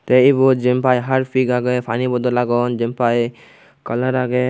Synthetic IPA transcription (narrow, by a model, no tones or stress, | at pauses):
t̪ɛibud͡ʒɛmpajɦaɾpʰiɡaɡɛpʰanibɔd̪ɔlaɡɔnd͡ʒɛmpaj | kɔləɾaɡɛ